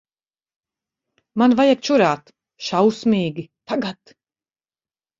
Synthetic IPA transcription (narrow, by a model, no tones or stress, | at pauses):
manvajak̚t͡ʃuɾaːt̪ | ʃawsmʲiːɡʲit̪aɡat̪